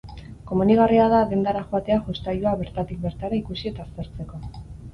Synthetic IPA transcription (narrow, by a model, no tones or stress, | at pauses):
ko̞muniɣ̞ariaðaðe̞nd̪aɾaxoat̪e̞aʝust̪ajuaβe̞ɾt̪at̪ik̚be̞ɾt̪aɾaikusie̞t̪aːst̪e̞ɾt͡se̞ko̞